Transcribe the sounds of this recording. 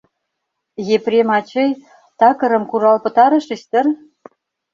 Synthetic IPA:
jeprʲemɑt͡ɕɤ̆j | t̪ɑkɤ̆ɾɤ̆mkuɾɑlpɤ̆t̪ɑɾɤ̆ʃisʲt̪ə̆r

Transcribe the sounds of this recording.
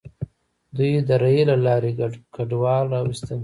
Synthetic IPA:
d̪ujed̪əɾajelalɑɾekaɖwɑlɑwist̪əl

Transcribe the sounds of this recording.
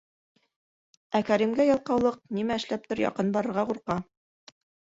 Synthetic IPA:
ækæɾimɡæjɒlˠqɑwlˠɤq̚nimæɘ̆ʃlæp̚t̪ŏɾjɑ̰qɤnbɑɾɤ̆ɾʁɑquɾqɑ

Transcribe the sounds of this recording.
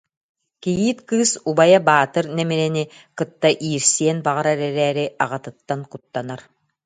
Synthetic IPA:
kijiːt̪kɯːsubajabaːt̪ɯɾnɛmiɾɛni | kɯt̪ːaʔiːɾsiɛnbaʁaɾaɾɛɾɛːɾiʔaʁat̪ɯt̪ːankut̪ːanaɾ

